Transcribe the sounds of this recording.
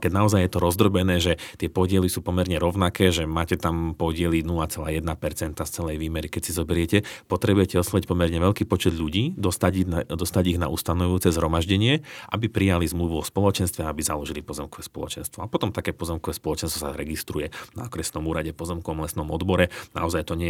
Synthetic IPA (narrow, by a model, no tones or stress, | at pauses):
kɛɟnaɔzajjɛt̪ɔɾɔzd̪ɾɔbɛnɛːʒɛt̪ɪɛpɔɟɪɛlisuːpɔmɛɾɲɛɾɔʊnakɛːʒɛmaːcɛt̪ampɔɟɪɛlinulat͡sɛlaːjɛd̪napɛɾt͡sɛnt̪ast͡sɛlɛjʋiːmɛɾikɛcsizɔbɛɾɪɛcɛpɔt̪ɾɛbujɛcɛɔslaʋic̚pɔmɛɾɲɛʋɛʎkiːpɔt͡ʃɛd̪ʎuɟiːd̪ɔst̪aɟd̪ɔst̪aɟiɣna̰ʔust̪anɔʋujuːt͡sɛzɦɾɔmaʒɟɛɲɪɛʔa̰bipɾijalizmluʋuɔspɔlɔt͡ʃɛnst̪ʋɛaabizalɔʒilipɔzɛmkɔʋɛspɔlˠɔt͡ʃɛnst̪ʋɔapɔt̪ɔmt̪akɛːpɔzɛmkɔʋɛːspɔlɔt͡ʃɛnst̪ʋɔsaɾɛɡist̪ɾujɛna̰ɔkɾɛsnɔmuːɾaɟɛpɔzɛmkɔʋɔmlɛsnɔmɔd̪bɔɾɛna̰ɔzajt̪ɔɲɛ